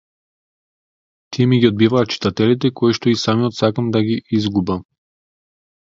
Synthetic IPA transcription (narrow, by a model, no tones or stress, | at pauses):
t̪iɛmiɡʲiɔd̪̚bivaːt̪̚t͡ʃi̥t̪at̪ɛlit̪ɛkoiʃt̪ɔisamiɔt̪sakamd̪aɡiʔizɡuba